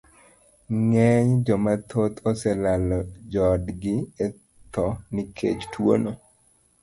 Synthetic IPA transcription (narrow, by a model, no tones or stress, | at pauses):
ŋɛɲd͡ʒɔmat̪ʰot̪ʰɔsɛlalɔd͡ʒɔdɡɪɛ | t̪ɔnikʰḛt͡ʃtwo̰no